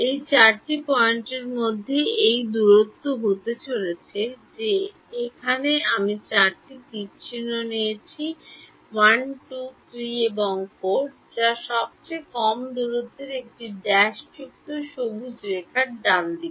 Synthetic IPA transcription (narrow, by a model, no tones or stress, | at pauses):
ejt͡ɕaɾʈipɔeɳʈeɾmod̪ʱːeejd̪uɾot̪ːoɦot̪et͡ɕolet͡ɕʰed͡ʑe | ekʰaneamit͡ɕaɾʈikipt͡ɕʰinːonejet͡ɕʰi | wanʈut̪ʰɾieboŋfoʈ̚ | d͡ʑaʃɔb̚t͡ɕejkɔmd̪uɾot̪ːeɾek̚ʈiɖɛʃd͡ʑuk̚t̪oʃobud͡ʑɾekʰaɾ̚d̪and̪ibe